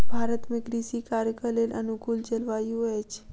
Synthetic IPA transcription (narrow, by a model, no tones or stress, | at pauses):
bʱaɾət̪mɪkɾisikaɾkəlelʔənukult͡ʃəlʋajũɦet͡ʃʰe̥